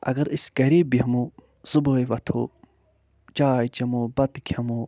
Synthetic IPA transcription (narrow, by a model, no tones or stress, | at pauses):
ɐ̰ɡɐɾiskɐɾiːbiɦɐmuː | zuboːjʋɐt̪ʰo̰ː | d͡ʒaːjd͡ʒɐmoːbɐt̪kʰʲɐmoː